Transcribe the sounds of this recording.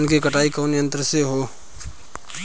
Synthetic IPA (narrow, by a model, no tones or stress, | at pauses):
nkekəʈaikənjənt̪ɾəseɦo